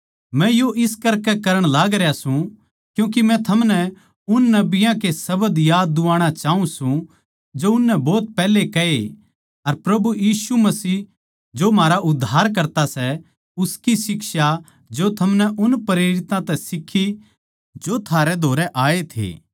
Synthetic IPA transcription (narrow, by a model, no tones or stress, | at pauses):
mɛ̃joʔɪskɐɾkɛkɐɾəɽ̃laːɡɾjasũ | kjũːk̬imɛ̃t̪ʰɐmnɛ | ʊnːɐbɪjãkesɐbəd̪jaːd̪ːʊaːɽ̃at͡ʃaːũsũ | d͡ʒoʊnːɛbɔːt̪̚pɛːlekɐe | ɐɾpɾɐbujiːsumɐsiː | d͡ʒomaːɾaʔʊd̪ʱːaːɾk̬ɐɾt̪asɛ | ʊskisɪkʃa | d͡ʒot̪ʰɐmnɛʔʊnpɾeːɾɪt̪ãt̪ɛsɪkʰːi | d͡ʒot̪ʰaːɾɛd̪ʱoːɾɛʔaːet̪ʰḛː